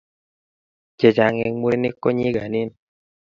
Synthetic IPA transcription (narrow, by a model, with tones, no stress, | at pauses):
d͡ʒe˨d͡ʒa˨ŋe˨ŋmu˦ɾe˦ne˦kːo˦ɲi˦ɡa˨ni˦n